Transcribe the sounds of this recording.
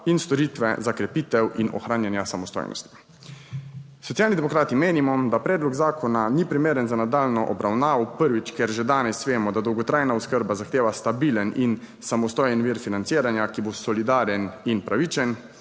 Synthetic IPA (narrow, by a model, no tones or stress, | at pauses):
inst̪ɔɾiːt̪ʋɛ̰zakɾɛpiːt̪ɛwinɔ̰xɾaːnjanjasamɔst̪o̰jnʔɔ̰st̪i̥ | sɔt̪sjaːlnid̪ɛmɔkɾaːt̪imeːnimɔd̪apɾɛːd̪lɔɡzaːkʰɔnanipɾimeːɾənzanad̪aːlnɔʔɔbɾawnaːʋɔpəɾʋit͡ʃkɛɾʒɛd̪aːnɛsʋeːmɔd̪ad̪ɔwɡɔt̪ɾaːjnaɔskəɾbazaxt̪eːʋast̪abiːlənin | samɔst̪oːjənʋiːɾfinant̪siːɾanjakibosɔlid̪aːɾjɛninpɾaʋiːt͡ʃɛn